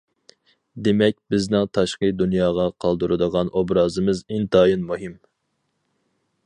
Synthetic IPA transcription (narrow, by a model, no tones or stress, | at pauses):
d̪emɛk̚ʲbɪznɪŋt̪ʰɑʃqəd̪unjɑːʁɑqʰɑlˠd̪uɾɨd̪əʁɑnʔobɾɑːzɨmɨzɪnt̪ɑːjinmuɦɨm